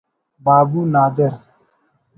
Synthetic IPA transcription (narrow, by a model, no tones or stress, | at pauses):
babunadɛɾ